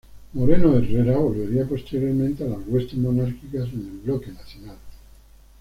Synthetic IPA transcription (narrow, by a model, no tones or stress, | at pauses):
mo̞ɾenoereɾaβolβe̞ɾiapo̞st̪eɾɾjoɾmẽnt̪ealazɣwe̞st̪emonaɾkikasenelβloke̞naθjonal